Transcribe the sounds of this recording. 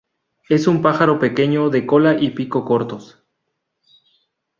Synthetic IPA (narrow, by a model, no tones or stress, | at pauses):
e̞sumpaxaɾo̞pe̞ke̞ɲo̞ðe̞ko̞laʔipiko̞ko̞ɾt̪o̞s